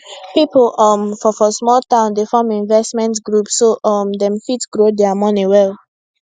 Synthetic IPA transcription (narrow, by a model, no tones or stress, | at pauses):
piplɔmfɔfɔsmɔltãʊ̃ndefɔmĩnvɛstmɛ̃ntɡɹupsːoʔɔmdɛ̃mfitɡ̥ɹodɛamɔniwɛlˠ